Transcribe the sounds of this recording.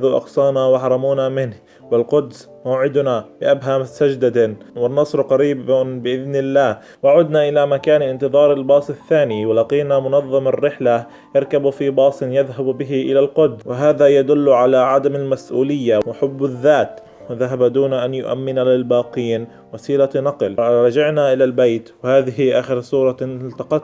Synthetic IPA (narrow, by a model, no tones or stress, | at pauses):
ðuʔɑ̰qsˤɑːnawɑħɾˤɑmuːnamɪnh | wɪlqʊd̪s | maːʕɪd̪nabɪʔabɦamsad͡ʒd̪ad̪wɪnːɑsˤɾqɑɾiːbbɪʔɪðnɪlːaːh | waʕuːd̪naʔɪlamakaːnʔɪnt̪ɨðˤɑːɾˤɪlbɑːsˤɪθːaːniwɪlɑqiːnamʊnɑðˤːɑmarːɪħla | jɪɾkabfibɑːsˤɪnjaðɦabbɪɦɪʔɪlalqʊd̪zwɪɦaːðajad̪ʊlːʕalaʕad̪amalmasʔuːlɪjːawɪħʊbːaðːaːt̪ | wɪðaɦabad̪uːnaʔanjʊ̰ʔa̰mːɪnalɪlbaːqiːn | wasiːlanɑqlɾˤɑd͡ʒaʕnaʔɪlalbajt̪wɪhaːðɪɦɪʔaːxɪɾsˤuːɾˤɑlt̪ɑqɑt̪